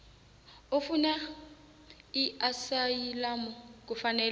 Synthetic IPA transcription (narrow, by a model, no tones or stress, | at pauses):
ʊfuna | iasailamʊk̬ʼʊfanɛːl